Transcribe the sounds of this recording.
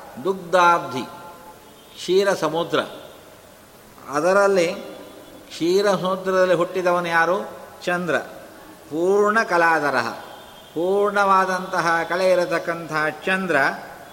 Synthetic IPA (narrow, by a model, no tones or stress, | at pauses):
d̪uk̚d̪aːb̚d̪ʱḭ | kʂiːɾɐsɐmud̪ɾɐ̰ | ɐ̰d̪ɐɾɐlːi | kʂiːɾɐsɐmud̪ɾɐd̪ɐlːiɦuʈːid̪ɐʋɐnujaːɾut͡ʃɐnd̪ɾɐ̰ | puːɾɳɐkɐlaːd̪ɐɾɐ̰ɦɐ̰ | puːɾɳɐʋaːd̪ɐnt̪ɐɦɐkɐɭeiɾut̪ɐkːɐnt̪ɐɦɐt͡ʃɐnd̪ɾɐ